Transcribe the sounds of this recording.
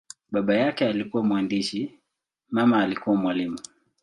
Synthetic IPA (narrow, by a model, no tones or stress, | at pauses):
ɓaɓajakɛalikuwamwandiʃi | mamaːlikuwamwalimu